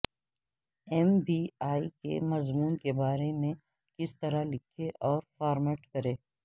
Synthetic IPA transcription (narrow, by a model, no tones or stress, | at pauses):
ɛmbiːaːikḛmɐzmuːnkebaːɾemẽ | kɪst̪ɐɾalɪkʰeʔɔːɾfaːɾmeːʈkɐɾeː